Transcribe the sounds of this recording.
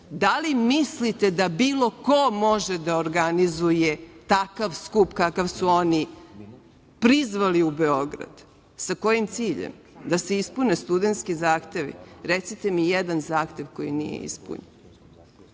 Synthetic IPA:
d̪alimislit̪e̞d̪abiːlˠo̞ko̞mo̞ʒed̪aoɾɡanizujet̪akaʋskupkakaʋsuo̞ni | pɾizʋaliubeo̞ɡɾa̰d̪̥ | sako̞jimt̪siːʎḛm | d̪aseispunest̪ud̪e̞nt̪skizaːxt̪e̞ʋḭɾet̪sit̪emijed̪anzaːxt̪e̞ʋko̞jinḭjḛḭspṵɲen

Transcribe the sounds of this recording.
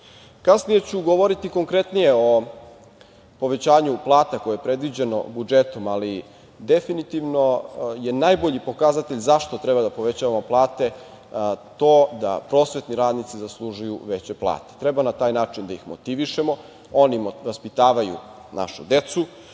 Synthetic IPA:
kasnije̞t͡ɕuɡoʋoɾit̪iko̞ŋkɾe̞t̪nije̞o̞ | po̞ʋet͡ɕaːɲuplˠaːt̪ako̞jeepɾe̞d̪ʋid͡ʑeno̞̰bud͡ʒet̪omali | d̪efinit̪iʋno̞je̞najbo̞ʎipo̞kazat̪e̞ʎzaʃt̪ot̪ɾebad̪apo̞ʋet͡ɕaːʋamo̞plˠaːt̪e̞ | t̪oːd̪a̰pɾo̞ːsʋe̞t̪niɾaːd̪nit̪sizaslˠuʒujuʋet͡ɕeplˠa̰ːt̪e̥t̪ɾe̞banat̪aːjnaːt͡ʂind̪aixmo̰t̪iʋiʃe̞mo̞ | o̞nimʋaspit̪aːʋajṵ | na̰ʃṵd̪e̞t̪su

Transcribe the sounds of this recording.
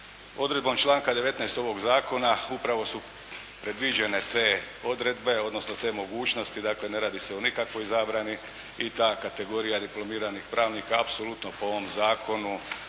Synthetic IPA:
o̞d̪ɾed̪bo̞mt͡ʃlˠaːŋkad̪e̞ʋe̞t̪nɛst̪o̞ʋo̞ɡzaːko̞naupɾaʋo̞su | pɾed̪ʋid͡ʑe̞ne̞t̪e̞ː | o̞d̪ɾe̞d̪be̞o̞d̪no̞snot̪e̞ːmo̞ɡuːt͡ʃno̞st̪id̪aːkle̞ne̞ɾaːd̪ise̞onikakʋo̞jzaːbɾani | it̪aːkat̪e̞ɡo̞ɾijad̪iplo̞miːɾanixpɾaːʋniːkaːpsolˠut̪nopoo̞ʋomzaːko̞nu

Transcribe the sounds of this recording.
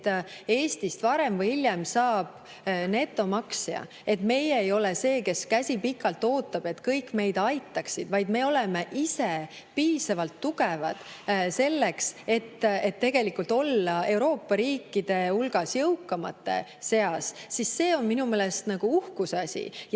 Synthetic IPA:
t̪e̞ːst̪ist̪vɑɾe̞mvɯjiljɛmsɑːb̥ | ne̞t̪ːˑo̞mɑksjɑ̰ | e̞t̪ːme̞jeejo̞lese̞ːke̞skæsʲipikːˑɑlt̪ːo̞ːt̪ːˑɑb̥e̞t̪ːkɤjkːˑme̞jd̪̥ɑjt̪ːˑɑksid̪̥vɑjd̪me̞o̞leme̞ʔise | piːsɑvɑlt̪ːuɡe̞vɑd̪̥ | se̞lːekse̞t̪ːet̪ːe̞ɡ̥e̞likult̪ˑo̞lːɑe̞wɾo̞ːpːɑɾiːkːˑid̪̥e̞ulɡ̥ɑsjɤwkːˑɑmɑ̰t̪ːˑe̞̰se̞ɑssisːe̞ːo̞nminume̞ːlest̪nɑɡ̥uuhkusɑsʲḭ

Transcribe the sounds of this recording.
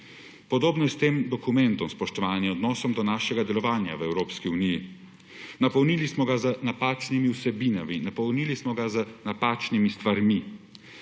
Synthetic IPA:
pɔd̪oːbnɔjɛst̪eːmd̪ɔkumɛnt̪ɔmspɔʃt̪ɔʋaːnjɛɔd̪nɔːsɔmd̪ɔnaːʃɛɡad̪ɛlɔʋaːnja̰ʋɛwɾoːpskiuniji | napɔwnilismɔɡazənapaːt͡ʃnimiuwsɛbinaminapɔwnilismɔɡazənapaːt͡ʃnimist̪ʋaɾmi

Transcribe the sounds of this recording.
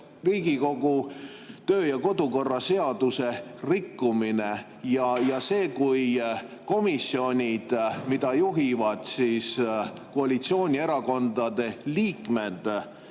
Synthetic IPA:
riːɡ̥iko̞ɡ̥u | t̪ø̞ːjɑko̞d̪uko̞rːɑse̞ɑd̪̥use̞rikːumine | jɑjɑse̞ːkujko̞misio̞nʲid̪̥mid̪̥ɑjuɦivɑd̪̥sisko̞ɑlʲit̪sio̞ːnʲie̞ɾɑko̞nd̪̥ɑd̪̥e̞liːkˑme̞d̪̥

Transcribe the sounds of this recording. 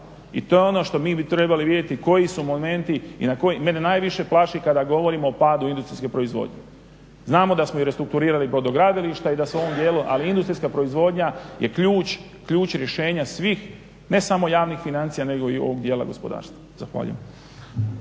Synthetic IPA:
ḭt̪o̞jeo̞no̞ʃt̪o̞miːbit̪ɾebaliʋid̪je̞t̪iko̞jisumome̞nt̪iḭnakojime̞nenaːjʋiʃe̞plˠaʃikad̪aɡo̞ʋo̞ɾimoːpaːd̪uind̪ust̪ɾiskepɾo̞izʋo̰ːd̪ɲḛ | znaːmo̞d̪asmoiɾest̪ɾuk̚t̪uɾiːɾalipɾo̞d̪o̞ɡɾad̪iliʃt̪aid̪aseoomd̪je̞ːluʔaliind̪ust̪ɾiskapɾo̞izʋo̞ːd̪ɲaje̞kʎuːt͡ɕ | kʎuːt͡ɕɾje̞ʃe̞ːɲasʋiːx | ne̞samo̞jaːʋnixfinant̪sijane̞ɡo̞io̞̰ʋoɡd̪jeːla̰ɡo̞spo̞d̪a̰ːɾst̪ʋazaxʋa̰ʎṵjḛm

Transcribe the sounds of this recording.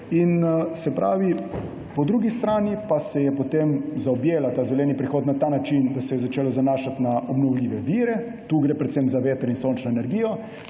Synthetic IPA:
insɛpɾa̰ːʋi | pɔd̪ɾuːɡist̪ɾaːnipasɛjɛpot̪emzaɔbjeːlat̪aːzɛlɛːnipɾixoːt̪nat̪aːnat͡ʃind̪asɛjɛzat͡ʃeːlɔzanaːʃat̪naʔɔbnɔwliːʋɛʋiːɾɛ | t̪uːɡɾepɾɛt̪semzaʋeːt̪ɾɔinsont͡ʃnɔɛnɛɾɡiːjɔ

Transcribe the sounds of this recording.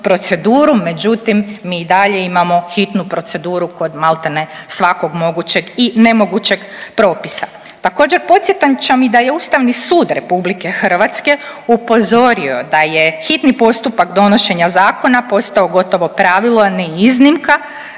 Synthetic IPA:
pɾo̞t̪se̞d̪uːɾume̞d͡ʑut̪imːiːd̪aʎe̞imamo̞xit̪nupɾo̞t̪se̞d̪uːɾuko̞d̪malˠt̪enesʋako̞ɡmo̞ɡut͡ɕe̞ɡine̞mo̞ɡut͡ɕe̞ɡpɾo̞ːpisa | t̪ako̞ːd͡ʑe̞ɾpo̞t̪sjet̪amt͡ʃemid̪aje̞uːst̪aʋnisuːd̪ɾe̞publike̞xrʋat̪ske̞upo̞zo̞ɾio̞d̪aje̞xit̪nipo̞st̪upakd̪o̞no̞ʃe̞ɲazaːko̞napo̞st̪aoɡo̞t̪o̞ʋo̞pɾaʋilaniiznimka

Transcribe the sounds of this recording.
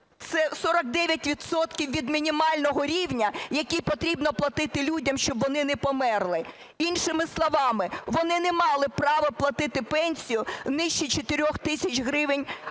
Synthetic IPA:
t̪sɛsɔɾɐɡ̚d̪ɛʋʲjɐtʲʋʲid̪sɔt̪kʲiwʋʲid̪mʲinʲimɑlʲnɔɦɔɾʲiwnʲɐjɐkʲijpɔt̪ɾʲibnɔplˠɐt̪ɪt̪ɪlʲudʲɐmʃt͡ʃɔbʋɔnɪnɛpɔmɛrlˠɪ | inʃɪmɪslˠɔʋɑmɪʋɔnɪnɛmɑlˠɪpɾɑʋɐplˠɐt̪ɪt̪ɪpɛnʲsʲijʊnɪʃt͡ʃit͡ʃet̪ɪɾʲɔxt̪ɪsʲɐt͡ʃʲɦɾɪʋɪnʲ

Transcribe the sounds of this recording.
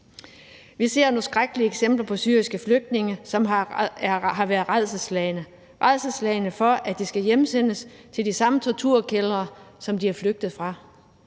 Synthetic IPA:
ʋise̝ɐnsɡ̥ʁaɡ̥əliəeɡ̥sem̰b̥lɐpʰɒ̽syːɐisɡ̥əfløɡ̥̚d̥̚ne̝ŋəsɒ̽m | ɦɑ̈ʋæːɐð̩ˠʁaðˠsəslnə | ʁaðˠsəslɛɪnəfɒ̽ʔæd̥isɡ̥æjemsen̰əs | t͡sʰe̝ld̥isɑ̈mət͡sʰɒt͡sʰuɐ̰kʰelɐːsɒ̽md̥iæɐfløɡ̥̚d̥ð̩ˠfʁɑ̈

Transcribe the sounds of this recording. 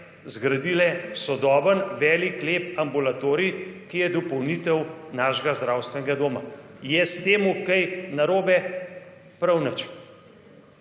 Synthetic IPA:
zɡɾad̪iːlɛsɔd̪ɔːbənʋɛːlikleːpambulat̪oːɾikijɛd̪ɔpɔwniːt̪ɛwnaːʃɛɡazd̪ɾaːwst̪ʋɛnɛɡad̪oːma̰jɛst̪eːmukɐjnaɾoːbɛ | pɾawnət͡ʃ

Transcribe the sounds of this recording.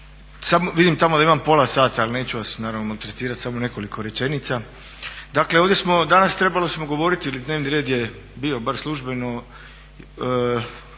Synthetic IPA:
samoʋid̪imt̪amod̪aimampo̞lˠasaːt̪aalne̞ːt͡ɕuʋasnaːɾaʋnomalt̪ɾet̪iːɾat̪samone̞ko̞likʰo̞ɾe̞t͡ʃe̞nit̪sa | d̪akle̞oʋdje̞smo̞d̪anast̪ɾe̞balosmo̞ɡo̞ʋo̞ɾit̪iilid̪ne̞ːʋniɾe̞ːd̪je | bio̞baɾslˠuʒbe̞no

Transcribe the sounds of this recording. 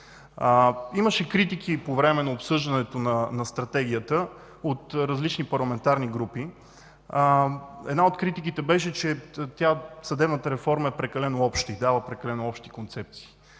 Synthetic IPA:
iməʃɛkɾit̪ikʰipovɾɛmɛnɐopsɤʒd̪ɐnɛt̪onɐnɐst̪ɾɐt̪ɛɡ̟ʲiət̪ə | ot̪ɾɐzlit͡ʃnipɐɾlˠɐmɛnt̪aɾniɡɾupi | ɛ̰d̪naot̪kɾit̪ik̬it̪ɛbɛʃ̬ɛt͡ʃɛt̪ʲjasəd̪ɛbnət̪əɾɛfɔɾməɛpɾɛkɐlɛnoɔpʃt̪id̪avəpɾɛkɐlɛnʊɔpʃt̪i̥kont̪sɛp̚t̪si̥ː

